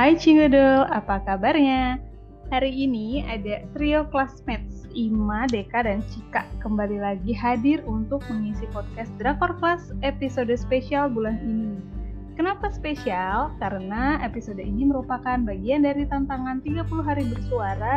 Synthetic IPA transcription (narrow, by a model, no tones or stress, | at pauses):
ajt͡ʃiŋɡədəlapakabarɲa | haɾiːniadat̪ɾioklasmɛt̪̚simadekadant͡ʃikaʔkəmbalilaɡiɦadɪrunt̪ʊk̚məŋisipɔd̚kɛsdɾakɔrklasepisodospesialbulanini | kənapaspesialkaɾənaepisodoiniməɾupakanbaɡiandaɾit̪ant̪aŋant̪iɡapuluɦaɾibərsuaɾa